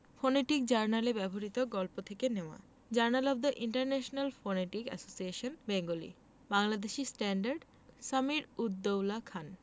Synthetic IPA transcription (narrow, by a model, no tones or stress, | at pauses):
foneʈik̚d͡ʑaɾnalebɛboɾit̪oɡɔlpot̪ʰekeneoa̰ | d͡ʑaɾnalɔb̚d̪aʔiɳʈaɾnɛʃonalfoneʈikɛ̰sosieʃonbeŋɡolḭ | baŋlad̪eʃisʈɛɳɖaɾɖ | samiɾud̪ːowlakʰan